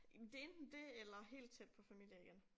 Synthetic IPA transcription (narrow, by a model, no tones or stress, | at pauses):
md̥e̝e̝nd̥n̩d̥e̝elɐɦe̝̰ːld̥̚t͡sʰed̥̚pʰɒ̽fæmḭl̰jəiɡ̥en